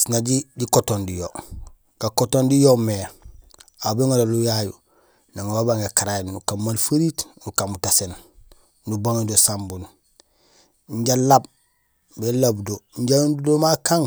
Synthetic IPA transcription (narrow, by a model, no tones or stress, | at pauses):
sinaɟiɟikotondijo | ɡ̥akotondijome | abeŋaɾolujajṵ | naŋaabaŋɡakaɾaennukammalfaɾiːtnukamutasen | nubaŋidosambun | ɲɟalab̚ | belabdoɲɟaundudomakaŋ